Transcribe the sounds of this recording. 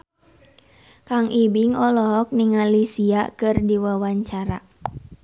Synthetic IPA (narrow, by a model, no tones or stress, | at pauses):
kaŋʔibiŋɔlɔɦɔk̚niŋalisia̰kɨrdiwawaɲt͡ʃaɾa̰